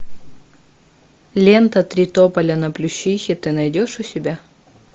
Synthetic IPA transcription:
lʲent̪ɐt̪ɾʲɪt̪opɐlʲɐnɐplʲʊɕːixʲɪt̪ɨnɐjdʲoʂʊsʲɪbʲa

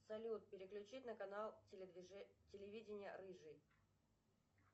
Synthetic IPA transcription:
sɐlʲut̪̚pʲɪɾʲɪklʲʉt͡ɕitʲnəkɐnalˠʲ | tʲɪlʲɪvʲidʲɪnʲɪjə̰ɾɨʐɨ

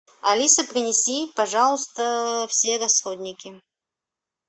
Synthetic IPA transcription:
ɐlʲisəpɾʲɪnʲɪsʲipɐʐɑlˠəst̪əfsʲeɾɐsxod̪ʲnʲɪkʲɪ

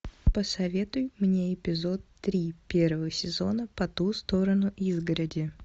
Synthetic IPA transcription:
pəsɐvʲet̪ʊjmnʲeɪpʲɪzo̞t̪ːɾʲipʲe̞rvəvəsʲɪzo̞̰nəpɐt̪ust̪o̞ɾənʊʔizɡəɾədʲɪ

